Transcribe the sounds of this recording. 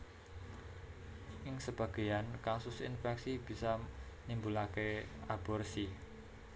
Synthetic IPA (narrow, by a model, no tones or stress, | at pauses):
ʔɪŋsəb̥a̤ɡ̥e̤jankasʊsḭnfɛksib̥i̤sa | nimbulakeab̥ɔrsi